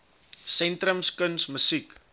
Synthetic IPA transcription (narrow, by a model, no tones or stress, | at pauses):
sɛntɾəmskənsməsik